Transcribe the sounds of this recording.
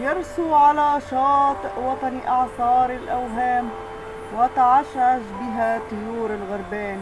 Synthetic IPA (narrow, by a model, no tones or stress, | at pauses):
jɑɾˤsuʕalaʃɑːt̪ˤʔwɑt̪ˤɑnʔɑʕsˤɑːɾˤɪlʔawɦaːm | wɪt̪aʕaʃʕaʃbɪɦat̪ˤʊjuːɾɪlɣʊɾˤbaːn